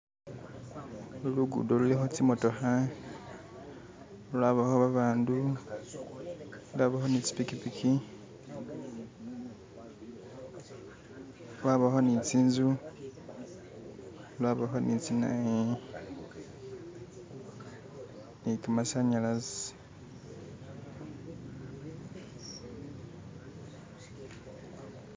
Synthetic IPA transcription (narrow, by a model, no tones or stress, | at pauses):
uluɡṵdolulexot͡simotoxa | olwaβahoβaβaːndu | lwaːβaxonit͡si̥pikipikʰi | lwaβaxonit͡siːnzu | lwaβaɦonʔit͡sina̰e | nitumasaɲalas